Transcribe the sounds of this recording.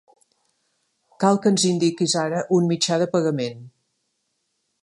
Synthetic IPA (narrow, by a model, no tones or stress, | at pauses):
kalˠkənzind̪ikizaɾəʔunmit͡ʃaðəpəɣəmen